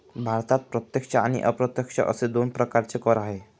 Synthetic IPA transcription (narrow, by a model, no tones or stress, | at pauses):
bʱaɾt̪at̪̚pɾət̪jekʂəañḭʔəpɾət̪jəkʂə̰ʔə̰sed̪onpɾəkaɾt͡sekɔɾaɦe